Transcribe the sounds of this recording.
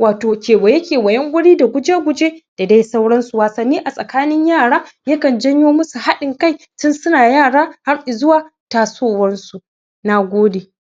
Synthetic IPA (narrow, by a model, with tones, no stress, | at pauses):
waː˨toː˨kʲeː˨wɐ˨je˦kʲeː˨wɐ˨jɐ˦ŋɡʷʊ˦ɽiː˦da˨ɡʷʊ˦d͡ʒeː˦ɡʷʊ˦d͡ʒeː˦d̥a˨da˦jsa˦wɽɐ˦nsu˨waː˨sɐ˨nːiː˦ʔa˨sʼɐ˨kaː˦nɪ˦ɲjaː˦˨ɽaː˦jɐ˦kɐ˨nd͡ʒɐ˦ɲjoː˦mʊ˦su˨ha˦ɗɪ˨ŋka˦j | tʊ˦nsʊ˦naː˨jaː˦˨ɽaː˦ha˦ɽʔɪ˨zʊ˦waː˨taː˨soː˦wɐ˦nsu˨ | na˨ɡʷoː˦deː˨